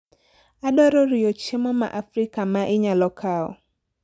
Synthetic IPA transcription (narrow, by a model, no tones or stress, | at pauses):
aɗɔɾɔɾiɔt͡ʃemɔma̰ʔafɾikamaʔɪɲalɔkʰaɔ̰